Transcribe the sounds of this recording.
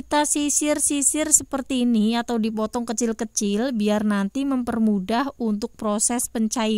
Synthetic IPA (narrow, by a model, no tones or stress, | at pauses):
t̪asisɪrsisɪrsəpərt̪iːniat̪awdipɔt̪ɔŋkət͡ʃɪlkət͡ʃɪlbiarnant̪iməmpərmudaɦunt̪ʊk̚pɾosɛspəɲt͡ʃai